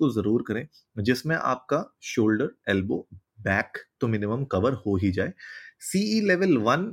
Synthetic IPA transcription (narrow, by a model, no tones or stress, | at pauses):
ozɐɾuːɾkɐɾẽː | d͡ʒɪsmẽʔa̰ːp̚kaʃoːlɖəɾɛːlbo̰ː | bɛːkt̪omɪnɪməmkɐʋəɾhoːɦid͡ʒaːeːsiːiːlɛʋəlʋɐn